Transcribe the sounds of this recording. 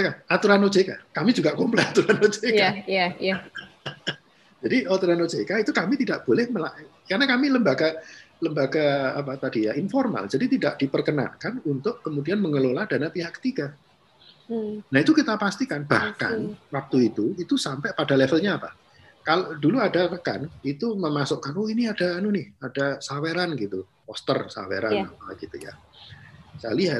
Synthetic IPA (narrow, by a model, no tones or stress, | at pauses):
akanat̪uɾanod͡ʒekakamid͡ʒuɡaʔkomplɛhat̪uɾanod͡ʒeka | d͡ʒ̥adiʔot̪uɾanod͡ʒekait̪ukamit̪idaʔb̥olɛhməla | karnakamiləmbaɡa | ləmbaɡ̥aa̰pat̪adijaʔinfɔrma̰ld͡ʒadit̪idaʔ̚d̥ipərkəna̰lkanunt̪ʊkːəmudianməŋəlolad̥anapiɦakːə̥t̪iɡa | nahit̪ukit̪apast̪ikanb̥ahka̰nwak̚t̪uit̪uit̪usampɛpadalɛfəlɲaːpa | kaloduluadat̪əka̰nit̪uməmasʊʔkanoiniadaːnunɪhad̥asaweɾanɡit̪u | pɔst̪ərsa̰wḛɾa̰napaɡit̪uja̰ | saliɦat̪̚